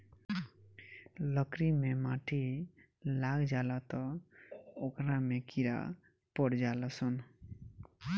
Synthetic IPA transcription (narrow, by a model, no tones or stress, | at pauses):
ləkɾimemãʈʰi | laɡd͡ʒalat̪ɔ | okɾamekiɾa̰ | pəɽd͡ʒaləsən